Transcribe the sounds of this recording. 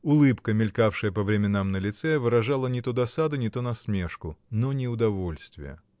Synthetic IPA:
ʊlˠɨpkəmʲɪlʲkafʂɨjəpəvɾʲɪmʲɪnamnəlʲɪt̪sɛvɨɾɐʐalˠənʲɪt̪od̪ɐsad̪ʊnʲɪt̪onɐsmʲe̞ʂkʊnonʲɪʊd̪ɐvo̞lʲst̪vʲɪ̰jə̰

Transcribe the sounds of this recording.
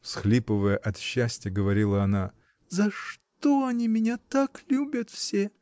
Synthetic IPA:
fsxlʲipəvəjəʔɐt̪ɕːæsʲtʲɪjəɡəvɐɾʲilˠəɐna | zɐʂt̪oɐnʲimʲɪnʲat̪aklʲubʲət̪fsʲe

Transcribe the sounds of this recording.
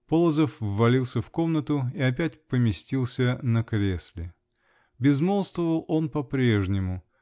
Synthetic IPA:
polˠəzəfːɐlʲilˠsʲəfko̞mnət̪ʊiɐp̬ʲætʲpəmʲɪsʲtʲilˠsʲənəkɾʲesʲlʲɪ | bʲɪzmolˠst̪vəvəlˠo̞npɐpɾʲe̞ʐnʲɪmʊ

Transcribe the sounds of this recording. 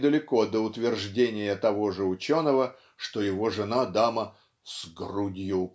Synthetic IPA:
d̪əlʲɪko̞d̪əʊt̪vʲɪrʐdʲenʲɪjət̪ɐvo̞ʐɨʊt͡ɕo̞nəvə | ʂt̪ojɪvoʐɨnad̪amə | sɡrudʲjʊk

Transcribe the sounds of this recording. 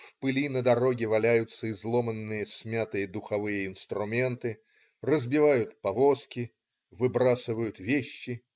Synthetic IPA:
fpɨlʲinəd̪ɐɾo̞ɡʲɪvɐlʲæjʊt̪səɪzlˠo̞mənːɨjəsʲmʲat̪ɨjəd̪ʊxɐvɨjəɪnst̪ɾʊmʲe̞nt̪ɨ | rəzbʲɪvajʊt̪̚pɐvo̞skʲɪ | vɨbɾasɨvəjʊt̪vʲeɕːɪ

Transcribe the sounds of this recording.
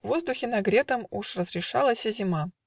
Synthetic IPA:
vo̞zd̪ʊxʲɪnɐɡɾʲet̪əmuʂrəzɾʲɪʂa̰lˠəsʲəzʲɪma

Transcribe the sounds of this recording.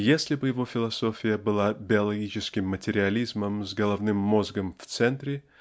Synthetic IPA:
jesʲlʲɪbɨjɪvo̞fʲɪlˠɐsofʲɪjəbɨlˠabʲɪɐlˠɐɡʲit͡ɕɪskʲɪmːətʲɪɾʲɪɐlʲizməmzɡɐlˠɐvnɨmːozɡəmft̪sɛnt̪ɾʲɪ

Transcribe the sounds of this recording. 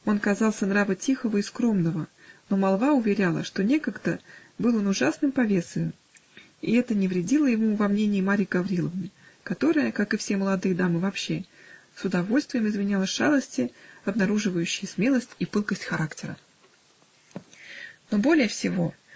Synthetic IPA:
o̞nkɐzɑlˠsʲənɾavətʲixəvəiskɾo̞mnəvəno̞mɐlˠvaʊvʲɪɾʲalˠə̰ʂt̪o̞nʲe̞kəɡd̪ə | bɨlˠənʊʐasnɨmpɐvʲe̞sʲɪ | ɪ̰ɛt̪ənʲɪvɾʲɪdʲilˠəjɪmuvɐmnʲenʲɪːmaɾʲɪjɡɐvɾʲilˠəvnɨkɐt̪o̞ɾəjəkakɨfsʲeməlˠɐd̪ɨjəd̪amɨvɐpɕːe̞ | sʊd̪ɐvo̞lʲst̪vʲɪjɪmɪzmʲɪnʲalˠəʂad̪əsʲtʲɪɐbnɐɾuʐɨvəjʉɕːɪjəsmʲe̞lˠəsʲtʲipɨlˠkəsʲtʲxɐɾaktʲɪɾə̰ | no̞bo̞lʲɪjəfsʲɪvo̞

